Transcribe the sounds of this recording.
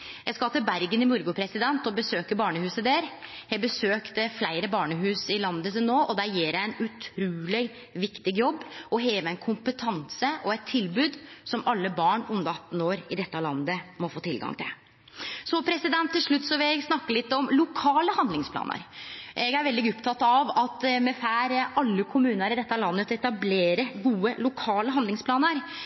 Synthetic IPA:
jæɡskɑt̪ɪlbæɾɡənɪmʊɾɡʊpʰɾɛsɪd̪ɛnt̪ɔbəsøːkəɾbɑːɳəhʉːsəd̪eːɾ | jæɡbəsøːkt̪əflæɪɾəbɑːɳəɦʉːsɪlɑnd̪ət̪ɪnoːʔɔd̪æɾjiːɾæɛnʉt̪ʰɾuːlɪ | ʋɪkt̪ɪɡjɔbːɔɦeːʋəænkʰʊmpət̪ʰɑnsəʔɔɛt̪ʰːɪlbʉːd̪sɔmɑlːəbɑːɳʊnd̪əɑt̪ːn̩oːɾɪd̪ɛt̪ːɑlɑnːəmɔfoːt̪ʰɪlɡɑ̰ŋt̪ʰɪ̰l | sɔpʰɾɛsɪd̪ɛnt̪ʰːɪlʂɭʉt̪ːsɔʋɪɡsnɑkːəlɪt̪ːɔmlʊkʰɑːləhɑnd̪lɪŋspʰlɑ̰ːnə̰ɾʔɛɡæɾʋɛld̪ɪɡʊpt̪ʰɑt̪ːɑʋɑt̪mɛfæːɾɑlːəkʰʊmʉːnəɾɪd̪ɛt̪ːɑlɑnːət̪ʰɔɛt̪ɑbleːɾəɡuːəlʊkʰɑːləɦɑnd̪lɪŋspʰlɑːnəɾ

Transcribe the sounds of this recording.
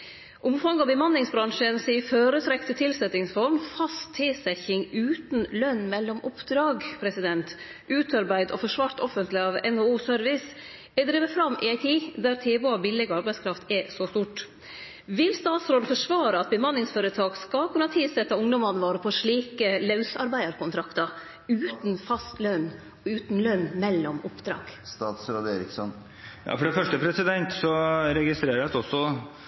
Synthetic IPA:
ʔʊmfɑŋɑbəmɑnlɪŋsbɾɑŋʂənsiːføːɾət̪ʰɾɛkt̪ət̪ʰɪlsɛt̪ɪŋsfɔɾmfɑst̪ʰːɪlsɛçɪŋʉːt̪n̩lœnːmɛlːɔmʊpd̪ɾɑːɡpʰɾɛsɪd̪ɛnt̪ | ʔʉːt̪ɑɾbæɪd̪ɔ̰fɔʂʋɑːɾt̪ɔfənt̪lɪɑʋɛ̰nouːsœɾʋɪs | ɛd̪ɾiːʋəfɾɑmːʔɪ̰æɪt̪ʰiːd̪æɾt̪ʰeːboɑbɪlɪɡɑɾbæɪskʰɾɑft̪ɛsɔst̪uːʈ | ʋɪlst̪ɑːt̪sɾoːd̪fɔʂʋɑːɾəɑt̪̚bəmɑnɪŋsføːɾət̪ʰɑːɡskɑlkʰʉnɑt̪ʰɪlsɛt̪ːɑʊŋd̪ɔmɑnʋɑːɾəpʰɔʂɭiːkəlɑʉsɑɾbæɪəɾkʊnt̪ʰɾɑkt̪ɑ | ʉːt̪nfɑst̪lœn | ɔʉːt̪n̩lœnmɛlːɔmʊpd̪ɾɑ̰ːɡ̥st̪ɑːt̪sɾoːd̪eːɾɪksɔn | jɑ̰ːfɔɖɛfœʂʈəpʰɾɛsɪd̪ɛnt̪sɔɾɛɡɪst̪ɾeːɾəɛt̪ɔsːɔ

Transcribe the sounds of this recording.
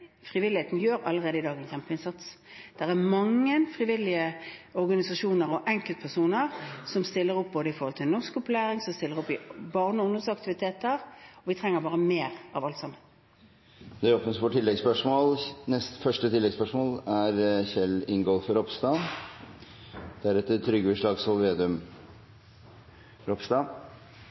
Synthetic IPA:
fʁɪʋɪlɪheːt̪n̩jøːɾɑ̰lːəʁeːd̪əɪd̪ɑːɡənsçɛmpəɪnsɑt̪sd̪̥ɛʁæmɑŋːənfʁɪʋɪlɪəɔɾɡɑnɪsɑʂuːnəɾɔʔɛŋkəlt̪̚pʰæʁsuːnəʁsɔmst̪ɪlːəʁɔp̚ːboːd̪əɪfɔɾhɔlt̪ʰɪlnɔskɔplæːʁɪŋsɔmst̪ɪlːəʁɔpːɪbɑːʁnəɔɔnd̪ənsɑk̚t̪ɪʋɪt̪ʰeːt̪əʁɔʋɪt̪ʰʁɛŋːəɾbɑːʁəmeːʁɑʋɑlt̪sɑmːən | d̪ɛɾoːpnəsfɔʈʰɪlːɛɡspœʂmoːlnɛst̪fœʂʈət̪ʰɪlːɛɡspœʂmoːlæɾçɛlɪŋɡɔlfɾɔpst̪ɑ | d̪̥æɾɛt̪ət̪ʰɾʏɡʋɪʂɭɑːɡsɔlʋeːd̪ʉm | ɾɔpst̪ɑ

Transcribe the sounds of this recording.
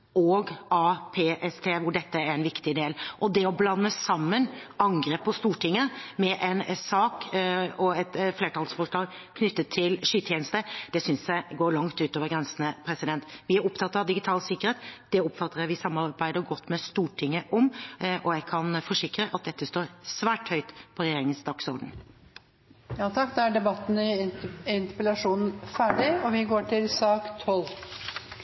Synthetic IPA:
ɔːɡɑːpʰeːʔɛst̪ʰeːʋʊɖɛt̪ːəæɾɛnʋɪkt̪ɪd̪eːlʔɔd̪ɛɔblɑnːəsɑmːənɑŋɡɾeːpːɔst̪uːʈɪŋːəmɛʔɛnsɑːkɔɛt̪fleːʈʰɑlsfɔʂɭɑːɡ | kʰnʏt̪ːət̪ʰːɪlʂyːt̪ʰjɛːnəst̪əd̪̥ɛsʏnsjæɪɡoːɾɭɑŋt̪ʉːt̪oːʋəɾɡɾɛnsnəpʰɾɛsɪd̪ɛnt̪ʋɪæɾɔpt̪ʰɑt̪ːɾɑʋd̪ɪɡɪt̪ʰɑːlsɪkːəɾeːt̪d̪̥ɛɔpfɑt̪ːəɾəʋɪsɑmːɑɾbæɪd̪əɾɡɔt̪ːmɛst̪uːʈʰɪŋːəʔɔmʔɔjæɪkʰɑnfɔʂɪkɾəʔɑt̪̚d̪ɛt̪ːəst̪oːɾsʋæːʈhœʏt̪pʰɔɾɛjeːɾɪŋənsd̪ɑksɔɾɖən̩ | jɑːt̪ʰɑkːd̪ɑæɖɛbɑt̪ːnəɪɪnt̪əpɛlɑʂuːnn̩fæːɖɪɔʋɪɡoːʈʰɪlsɑːkt̪ʰɔl

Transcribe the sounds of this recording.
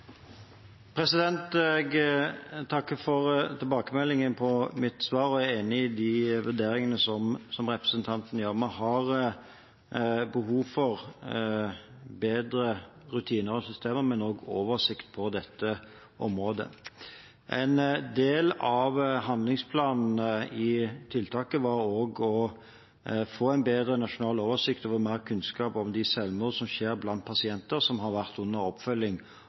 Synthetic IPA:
pʰɾɛsɪd̪ɛnt̪ɛɡ | t̪ʰɑkːəfɔʁt̪ʰɪlbɑːkəmɛlːɪŋənpʰɔmɪt̪sʋɑːɾɔæeːnɪɪd̪iʋʉd̪eːɾɪŋənəsɔmsɔmʁɛpʁəsənt̪ʰɑnt̪njøːʁmæhɑʁ | bəhɦuːʋfɔʁ | beːd̪ɾəɾʉt̪ʰiːnəɾɔsʏst̪ʰeːməmɛnoːɡoːʋəsɪkt̪̚pʰɔd̪ɛt̪ːə | ʔɔmʁoːd̪ə̰ | ʔɛɪnd̪eːlɑʋɦɑnd̪lɪŋspʰlɑːnn̩əɪt̪ʰɪlt̪ʰɑːkəʋɑɾoːɡɔ | foːæɪnbeːd̪ɾənɑʂʊnɑːloːʋəsɪkt̪oːʋəmæːʁkʰʉnskɑːpɔmd̪ɪsɛlmoːlsɔmʃeːʁblɑnt̪̚pʰɑsɪɛnt̪əʁsɔmɦɑɾʋæʁt̪ʉnːəɾɔpfœlːɪŋ

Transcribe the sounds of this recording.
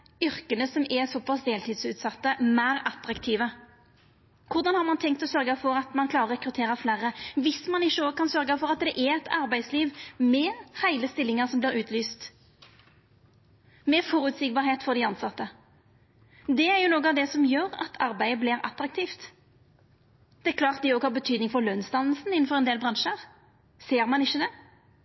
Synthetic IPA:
ʏɾkənəsɔmɛsɔpːɑsd̪eːlt̪ʰiːd̪sʉːt̪sɑt̪ːəmæɪɾɑt̪ɾɑkt̪ʰiːʋə | kʰʊɾd̪ɑnhɑʁmɑnt̪ʰɛŋkt̪ɔsœʁɡəfɔɾɑt̪mɑnkʰlɑːʁəʁʁɛkɾʉt̪ʰeːɾʁəflæːʁəʋɪsmɑnɪʃːəoːɡəkʰɑnsœɾɡəfɔʁɑt̪̚d̪ɛʔæɛt̪ɑʁbæɪd̪sliːʋmɛhæɪləst̪ɪlːɪŋəʁsɔmbliːɾʉːt̪ʰlyːst̪ | mɛfɔɾʉt̪sɪɡbɑːɾheːt̪fɔʁd̪ɪɑnsɑt̪ːə | d̪ɛæɾjʊnoːɡəɑʋd̪ɛsɔmjøːɾɑ̰t̪ʰɑɾbæɪəbliːɾɑ̰t̪ɾɑk̚t̪ʰiːft̪ | d̪̥ɛækʰlɑːʁt̪̚d̪ɛɔːɡhɑːʁbət̪ʰyːd̪nɪŋfɔɾløːnst̪ɑnlsn̩ɪnːn̩fɔʁɛnd̪eːlbʁɑnʃəʁ | seːɾmɑnɪçːəd̪ɛ

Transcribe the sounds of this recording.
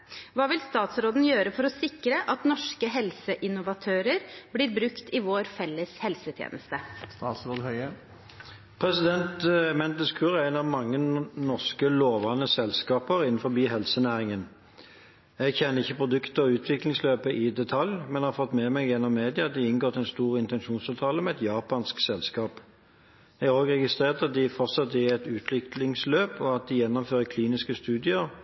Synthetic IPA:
ʋɑːʋɪlst̪ɑːt̪sɾoːd̪n̩jøːɾəfɔɾɔsɪkɾəʔɑt̪nɔʂkəɦɛlsəʔɪnʊʋɑt̪ʰøːɾəɾblɪːɾbɾʉkt̪ɪʋoːɾfɛlːəshɛlsət̪ʰjḛːnʔəst̪əst̪ɑt̪sɾoːd̪hœʏə | pʰʁɛsɪd̪ɛnt̪ɛmɛnt̪əskʰʉːʁæɪnɑʋmɑŋːənɔʁskəloːʋɑnəsɛlskɑːpəʁɪnn̩fɔbiːɦɛlsənæːʁɪŋən | ɛɡçɛnːəʁɪçːəpʰʁʊd̪ʉkt̪əɔʉːt̪ʰʋɪklɪŋsløːpəʔɪd̪ɛt̪ʰɑljmɛnhɑːʁfɔt̪ːmɛmɛɡjɛnːɔmːeːd̪ɪɑɑt̪̚d̪ɪɪnɡoːʁt̪ɛɪnst̪uːʁɪnt̪ɛnʃuːnsɑːʋt̪ʰɑːləmɛɛt̪jɑːpɑnsksɛlskɑːp | ɛɡæʁoːɡʁɛɡɪst̪ʁeːʁt̪ɑt̪̚d̪ɪfɔʁsɑt̪ːɪɛt̪ʉːt̪ʰlɪklɪŋsløːpɔɑt̪̚d̪ɪjɛnːɔmføːʁəkʰliːnɪskəst̪ʉːd̪ɪəʁ

